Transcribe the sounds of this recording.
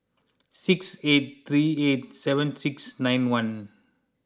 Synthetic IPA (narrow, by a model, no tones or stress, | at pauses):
sɪkseːʈ̚t̪ʰɾiːeːʈ̚sɛʋə̃nsɪksnãɪ̃nʋɐ̃n